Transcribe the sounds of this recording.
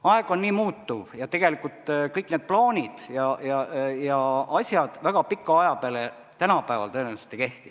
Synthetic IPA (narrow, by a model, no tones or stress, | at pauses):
ɑeɡ̥o̞nːiːmuːt̪ːuvjɑt̪e̞ɡ̥e̞likːˑult̪kɤjkːˑne̞d̪̥̚ploːnʲid̪̥jɑjɑjɑɑsʲjɑd̪̥væɡ̥ɑpikːɑɑjɑpeɑle | t̪ænɑpæevɑ̰lt̪ɤenense̥t̪ːeke̞ht̪i